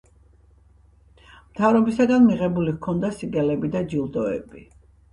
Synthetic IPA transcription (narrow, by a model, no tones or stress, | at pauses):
mt̪ʰavɾɔbisaɡanmiʁɛbulikʰɔnd̪asiɡɛlɛbid̪ad͡ʒilˠd̪ɔɛ̰bi